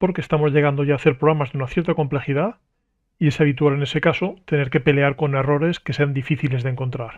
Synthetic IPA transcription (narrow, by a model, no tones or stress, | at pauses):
po̞ɾkest̪amo̞zʎe̞ɣand̪oʝaːθe̞ɾpɾo̞ɣɾamazðeunaθje̞ɾt̪ako̞mple̞xið̞a | ie̞saβ̞it̪uwale̞ne̞se̞kaso̞t̪e̞ne̞ɾke̞pe̞le̞aɾko̞ne̞ro̞ɾe̞ske̞se̞and̪ifiθile̞zðeŋko̞nt̪ɾaɾ